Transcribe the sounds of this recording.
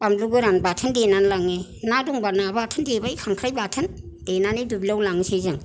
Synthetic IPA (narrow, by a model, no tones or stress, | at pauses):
pamluɡɯɾanbatʰəndenanlaŋenaduŋbanabatʰəndebajkʰaŋkʰɾajbatʰən | d̥enanidubilawlaŋsejzɯŋ